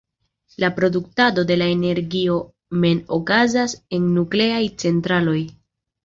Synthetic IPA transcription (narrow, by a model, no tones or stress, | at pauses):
lapɾo̞duk̚tado̞de̞laene̞ɾɡio̞ | me̞nokazase̞nːukle̞ajt͡se̞ntɾalo̞j